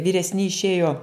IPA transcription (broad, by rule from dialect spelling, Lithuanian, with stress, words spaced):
ʋʲiːrʲɛsʲˈnʲɪ ɪʃʲˈeːjoː